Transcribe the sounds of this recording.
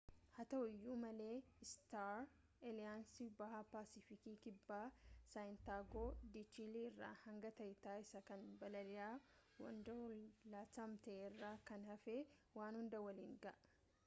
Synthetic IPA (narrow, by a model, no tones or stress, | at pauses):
hɐt̪ɐʊjːuːmɐle̞ːɪst̪aɾ | ɛlɪjaːnsɪbɐhapaːsɪfɪkiːkɪbːaːsajɪnt̪aːɡoːd̪it͡ʃiliɪrːa̰ːhɐŋɡɐt̪ɐjɪt̪aːɪsɐkɐnbɐlɐdɪjaːwɐ̰nd̪ɐlaːt̪ɐmt̪ɐeɪrːaːkɐnhɐfeːwaːnhʊnd̪ɐwɐliːŋɡɐ̰ʔɐ